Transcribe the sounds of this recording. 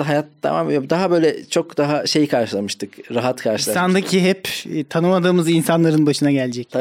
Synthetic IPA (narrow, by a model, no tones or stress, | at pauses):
ɦajat̪̚ːʰa̰ma̰mjabd̪aɦabø̞jlʲɛt͡ʃʰo̞kd̪aɦaʃe̞jkʰaɾʃɯlˠamɯʃt̪ʰɯkɾaɦat̪kʰaɾʃɯlˠasand̪acʰiɦɛpːt̪ʰanɯmad̪ɯːmɯzinsanlˠaɾɯnbaʃɯnaɟɛlʲd͡ʒɛcʰ